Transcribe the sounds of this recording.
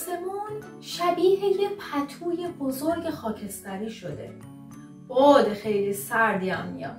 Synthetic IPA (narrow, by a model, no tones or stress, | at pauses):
semuːn | ʃæbiːhejepʰæt̪ʰuːjebozoɾɡe̞xɒːcʰe̞st̪æɾiːʃod̪e̞̰ | od̪exejlisæɾd̪iæmːḭjɒ̰ː